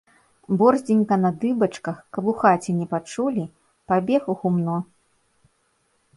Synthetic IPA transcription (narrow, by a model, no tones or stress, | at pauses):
bɔrzʲd͡zʲinʲkɐnɐd̪ɨbɐt͡ʂkɐxkɐbuxat͡sʲɛnʲɛpat͡ʂulʲi | pabʲɛxuɣumnɔ